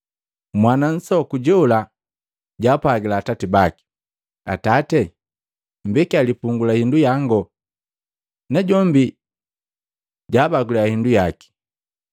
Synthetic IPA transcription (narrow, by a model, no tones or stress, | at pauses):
mwanan̩sɔkuɟɛula | ɟaːpwaɡilaːtatibaki̥ | a̰tatɛ | m̩bɛkialipuŋɡulahindujaŋɡɔ | nɛɟɔmbi | ɟaːbaɡuliahindujaki̥